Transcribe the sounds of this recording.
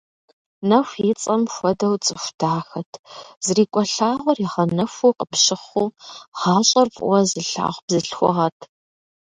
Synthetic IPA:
nɐxʷit͡sʼɐmxʷɔdɐwt͡sʼɨxʷtʰaːxɐtʰz̥ɨriːkʷʼɔɬaːʁʷɔriʁɐnɐfuːqʼəpʃɪχʷuːʁ̥ɑːɕʼɐrfʼwɐzɨɬa̰ːʁʷb̥zɨɬxʷʊ̰ʁɐtʰ

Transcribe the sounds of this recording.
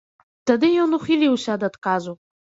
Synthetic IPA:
d̥adɨjonuχiliwʃadadkʼazʷopʼ

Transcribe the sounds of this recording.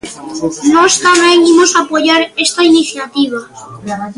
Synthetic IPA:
nost̪amẽŋimosapoʝaɾest̪ainiθjat̪iβ̞a

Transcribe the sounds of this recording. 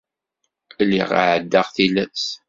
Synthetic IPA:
lːḭʁa̰ʕəd̪ːəʁθilæs

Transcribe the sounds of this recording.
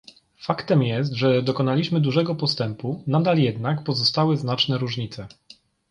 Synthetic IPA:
fakt̪ɛmjɛs̬t̪ʐɛd̪ɔkɔnalʲiɕmɘd̪uʐɛɡɔpɔst̪ɛmpunad̪aljɛd̪nakpɔzɔst̪awɘznat͡ʂnɛɾuʐɲit̪sɛ

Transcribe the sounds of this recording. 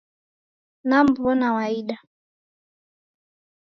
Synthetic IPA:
nam̩buɔnawaiɗa

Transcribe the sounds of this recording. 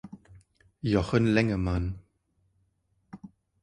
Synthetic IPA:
jɔχənlɛŋəman

